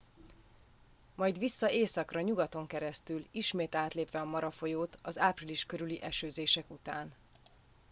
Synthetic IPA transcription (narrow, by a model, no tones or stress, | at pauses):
mɒjd̪ʋisːɒeːsɒkrɒɲuɡɒt̪o̞ŋkɛɾɛst̪yliʃmeːt̪aːt̪leːpʋɛɒmɒɾɒfo̞joːt̪ɒzaːpriliʃkøɾyliʔɛʃøːzeːʃɛkut̪aːn